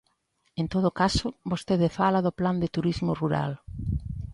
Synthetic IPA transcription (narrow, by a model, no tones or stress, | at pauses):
ẽnt̪oð̞ʊkasʊbost̪eðɪfalaðʊpland̪ɪt̪uɾizmʊruɾa̰l